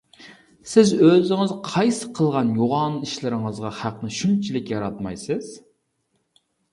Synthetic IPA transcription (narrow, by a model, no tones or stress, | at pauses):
sɪzøzɪŋɪzqʰɑjsɨqʰəlˠʁɑnjoʁɑniʃlɪɾɪŋəzʁɑhæqnɨʃynt͡ʃʰilɪkʲjɑɾɑt̪mɑjsɨz̥